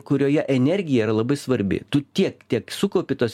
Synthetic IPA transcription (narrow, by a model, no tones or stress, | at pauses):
kʊɾʲoːjɛʔɛnʲɛɾʲɡʲɪjɛiɾɐlˠɐbɐɪsʋɐɾʲbʲɪ̰t̪ʊt̪ʲiɛkt̪ʲiɛksʊkoːpʲɪt̪oːsʲ